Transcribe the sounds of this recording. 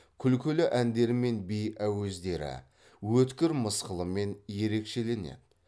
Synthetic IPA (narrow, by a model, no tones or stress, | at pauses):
kʲʰʏlkʲɵlɪʔænd̪e̞ɾɪme̞nbejæwezd̪e̞ɾɪ̰ | wɵt̪kʲɪɾməsqəlˠəme̞nje̞ɾe̞kʃe̞le̞nḛd̪